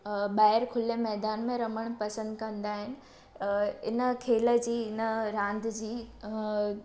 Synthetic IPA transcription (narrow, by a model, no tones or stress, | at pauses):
ɓaːɦɪɾkʰʊlemɛːd̪aːnmẽɾɐməɽ̃pɐsə̃nd̪kɐ̃nd̪aːɦɪnɪ̆ | ɪnə̆kʰeːlə̆d͡ʑiːɪnəɾãːnd̪ʱd͡ʑiː